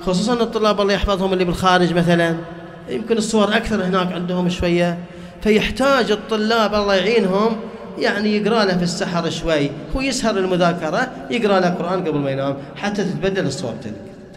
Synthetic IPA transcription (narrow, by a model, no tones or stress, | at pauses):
xʊs̬ˤuːsˤɑnt̪ˤːʊlːɑːbʔɑlˤːɑjɪħfɑðˤhʊmɪlːibɪlxaːɾɪd͡ʒmaθalan | jɪmkɪnɨsˤːʊwɑɾˤʔakθɑɾˤhɪnaːkʕɪnd̪hʊmʃwajːa | fajɪħt̪aːd͡ʒɨt̪ˤːʊlːɑːbʔɑlˤːɑjʕiːnɦʊm | jaʕnijɪɡɾɑːlafisːaħɑɾˤʃwajːwjɪshɑɾˤɪlmʊðaːkɑɾˤɑ | jɪɡɾaːlaqʊɾʔaːnɡabɪlmajnaːm | ħat̪ːat̪ɪt̪bad̪ːalɨsˤːʊwɑ̰ɾt̪a̰l̰